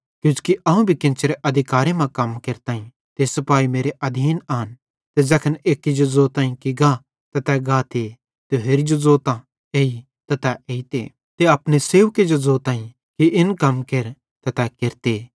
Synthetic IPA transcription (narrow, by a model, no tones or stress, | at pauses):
kjũːd͡ʒkiʔɐːũbʱikɪ̃nt͡ʃːɾeʔɐd̪ʱɪkaːɾemɐ̃kɐmkeɾt̪ãːĩ | t̪esɐpaːimeːɾeʔɐd̪ʱiːnaːn | t̪ɛzɐkʰəneːkid͡ʒozoːt̪ãːĩkiɡã | t̪ɛt̪ɛɡaːt̪e | t̪eɦeɾid͡ʒozoːt̪ã | eːi | t̪ɐt̪ɛʔeːit̪ḛ | t̪eɐpneseːʋked͡ʒozoːt̪ãːĩ | kiʔɪnkɐmkeɾ | t̪ɐt̪ɛkɪɾt̪eː